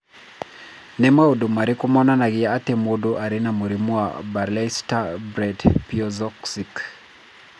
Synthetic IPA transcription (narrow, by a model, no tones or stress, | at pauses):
nɛmwaodomaɾikumɔnanaɣiaatɛmodoʔaɾinamuɾimua̰balɛstabɾɛdpiɔzɔksik